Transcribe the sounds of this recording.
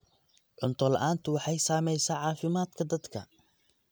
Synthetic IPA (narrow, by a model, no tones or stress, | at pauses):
ʕʊnt̪ʰɔlɐ̰ʔaːnt̪ʰʊwɑħɑjsaːmɛjsaːʕɑːfɪmaːd̪kʰɐd̪ɐd̪kʰɐ̰